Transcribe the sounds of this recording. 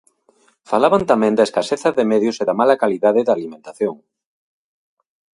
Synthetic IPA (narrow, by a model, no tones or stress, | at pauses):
falaβant̪amɛ̃nd̪aeskaseθɐðemɛðjʊseðɐmalɐkaliðaðɪðaːlimẽnt̪aθjoŋ